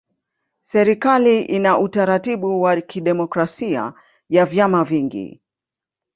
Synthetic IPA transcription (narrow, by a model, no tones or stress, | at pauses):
sɛɾikaliʔinaʔutaɾatiɓuwakiɗɛmɔkɾasia̰ | javjamaviŋɡḭ